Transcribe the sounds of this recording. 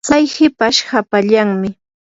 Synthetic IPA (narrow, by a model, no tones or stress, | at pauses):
t͡sajhɪpaʃhapaʎaŋmɪ